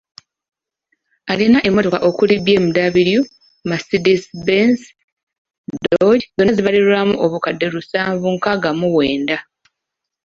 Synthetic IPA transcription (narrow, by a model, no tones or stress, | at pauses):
alinaʔe̞mːo̞to̞kaʔo̞kulibje̞ːmudaβiɾju | masidisbens | dooɟzonaziβaliɾulamuʔoβukadːe̞ɾusaːɱvuŋkaɡamuwe̞ːnda